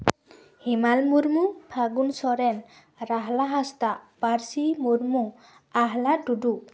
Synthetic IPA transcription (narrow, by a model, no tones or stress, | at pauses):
himalmuɾmub̥ʱaɡunsɔɾɛn | raɦlaɦast̪apaɾsimuɾmu | aɦladudu